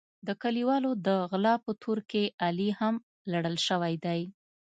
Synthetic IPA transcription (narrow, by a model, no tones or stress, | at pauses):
d̪əkaliwɑlod̪əɣlɑpət̪ʰoɾkeʔaliham | laɽəlʃəwajd̪aj